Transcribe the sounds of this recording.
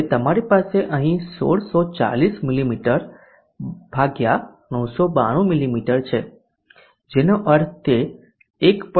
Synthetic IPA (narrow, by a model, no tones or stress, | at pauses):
t̪əmaɾipaseʔəɦĩso̰ɽsot͡ʃa̰lismilimiʈəɾ | b̥ʱaɡja | nəwsoba̰ɽ̃ũmilimiʈəɾt͡ʃʰe | d͡ʒenoʔəɾt̪ʰe | ekp